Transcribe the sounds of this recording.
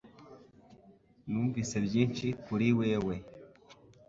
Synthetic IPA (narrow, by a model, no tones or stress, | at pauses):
nuːɱvisebjiːnʃikuɾiweːwe